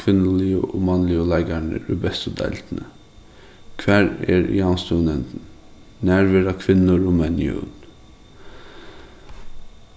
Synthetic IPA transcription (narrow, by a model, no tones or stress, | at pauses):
kʰʋɪnːəlɪə̰ʔoːmɑnlɪolæɪɡæɳə̰ɾʉbɛst̪ʊd̪ɛ̰lt̪nə | kʰʋæːɾḛːɾ̰jɑnst̪unɛnt̪n̩ | næɾʋəɾɑkʰʋɪnn̩oɾʊmɛnɪ̰ṵn